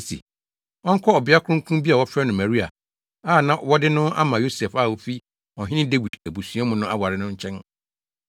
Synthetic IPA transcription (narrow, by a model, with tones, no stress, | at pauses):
tʰḭ˨ | ɔ˦ŋ̩˦kʰɔ˦ɔ˨bɪ˨˦a˦kʰʊ̃˦kʰũ˦mbi˦a˨wɔ˦fɾɛ˦nʊ̃˨mæ˨ɾi˦a̰˨ | a˦˨nã˦wɔ˦dɪ˦nʊ̃˦a̰˦mã˨jo˦sɛ˨fa˦˨o˦fi˦ | ɔ˨ɦɪ̃˦nɪ̃˦de˦wi˨dæ˨bu˨sũ˨a˦mʊ̃˦nʊ̃˦ʔa˦wa˨ɾɪ˦nʊ̃˦ɲ̩˦t͡ɕʰɛ̃˦n